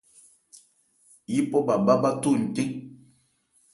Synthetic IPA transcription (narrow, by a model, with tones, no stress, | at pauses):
ji˦pɔ˦ba˨ba˦ba˦tu˦˨n̩˨te˦ŋ